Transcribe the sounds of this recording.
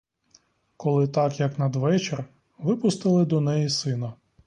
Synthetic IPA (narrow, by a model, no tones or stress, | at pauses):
kɔlˠɪt̪ɑkjɐknɐd̪ʋɛt͡ʃer | ʋɪpʊst̪ɪlˠɪd̪ɔnɛjisɪnɐ